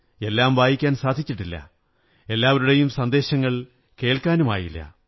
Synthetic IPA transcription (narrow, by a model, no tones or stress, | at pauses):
e̞lːaːmʋaːjikʲːaːnsaːd̪ʱit͡ɕːiʈːilːɐ̰ | e̞lːaːʋɐɾuɽe̞jumsɐnd̪e̞ːɕɐŋːɐɭ | ke̞ːɭkaːnuma̰ːjḭlːɐ̰